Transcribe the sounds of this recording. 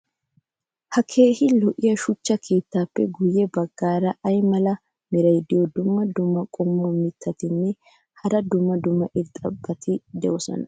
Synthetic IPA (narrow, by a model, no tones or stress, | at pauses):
hɐkʰe̞ːhɪlɔʔɪjɐʃʊt͡ʃːɐkʰe̞ːt̪ːaːpːɛ̰ɡʊjɛbɐɡːaːɾɐɐjmɐlɐ | mɪɾɐjd̪ɪjɔd̪ʊmːɐd̪ʊmːɐkʼɔmːɔmɪt̪ːɐt̪ɪnːɛ | hɐɾɐd̪ʊmːɐd̪ʊmːɐʔɪɾt̪ʼɐbːɐt̪ɪd̪ɛʔɔsɔ̰nɐ